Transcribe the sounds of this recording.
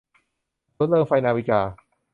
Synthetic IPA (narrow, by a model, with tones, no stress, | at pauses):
u˦˥t̪̚lɤː˧ŋfa˧jnaː˧wi˦˩kaː˧˩